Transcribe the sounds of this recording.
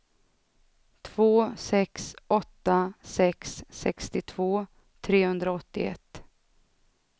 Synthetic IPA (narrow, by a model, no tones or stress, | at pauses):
t̪ʰv̥oːsɛksʔɔt̪ːasɛksːɛ̰kst̪ɪt̪ʰv̥oː | t̪ʰɾeːhɵnd̪ɾaɔt̪ːɪɛ̰t̪ː